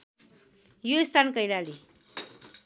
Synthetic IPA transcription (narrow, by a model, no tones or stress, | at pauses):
joist̪ʰankʌjlali